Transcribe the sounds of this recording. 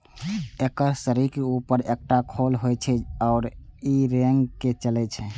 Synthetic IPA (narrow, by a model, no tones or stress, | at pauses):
ekəɾsəɾikeupəɾek̚ʈakʰolɦojt͡ʃʰɛɔːɾiɾeŋɡket͡ʃəlɛt͡ʃʰɛ